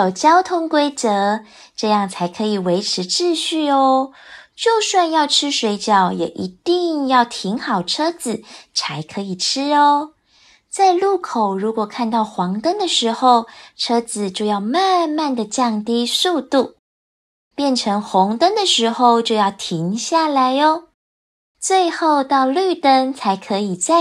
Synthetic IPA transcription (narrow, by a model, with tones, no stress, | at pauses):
o˨˩t͡ɕjɑ˥ʊt̪ʰʊ˥ŋkwe˥ɪt͡sɤ˧˦ | ʈ͡ʂɤ˥˧jɑ˥˩ŋt͡sʰa˧˥ɪkʰɤ˧˥i˨˩we˧˥ɪʈ͡ʂʰɻ̩˧˥ʈ͡ʂɻ̩˥˧ɕy˥˩ɔ˧˦t͡ɕjo˥˧ʊswa˥˧njɑ˥˩ʊʈ͡ʂʰɻ̩˥ʂwe˧˥ɪt͡ɕjɑ˨˩ʊjɛ̰˨˩ʔi˧˥t̪i˥˧ŋŋjɑ˥˩ʊt̪ʰi˧˥ŋxɑ˨˩ʊʈ͡ʂʰɤ˥d͡zɹ̩˨˩t͡sʰa˧˥ɪkʰɤ˧˥i˨˩ʈ͡ʂʰɻ̩˥ə˧ | t͡sa˥˧ɪlu˥˩kʰo˨˩ʊɻu˧˥kwɔ˨˩kʰa˥˧nt̪ɑ˥˩ʊxwɑ˧˥ŋt̪ə˥nd̪ə˨ʂɻ̩˧˥xo˥˧ʊʈ͡ʂʰɤ˥d͡zɹ̩˨˩t͡ɕjo˥˧ʊjɑ˥˧ʊma˥˧nma˥˩nd̪ə˨˩t͡ɕjɑ˥˨˩ŋt̪i˥su˥˧t̪u˥˩ | pjɛ˥˩nʈ͡ʂʰɤ˧˥ŋxʊ˧˥ŋt̪ə˥nd̪ə˨ʂɻ̩˧˥xo˥˧ʊt͡ɕjo˥˧jɑ˥˩ʊt̪ʰi˧˥ŋɕja˥˩la˧˦ɪɔ˦ | t͡swe˥˧ɪxo˥˧ʊt̪ɑ˥˧ʊly˥˩t̪ə˥nt͡sʰa˧˥ɪkʰɤ˧˥i˨˩t͡sa˥˩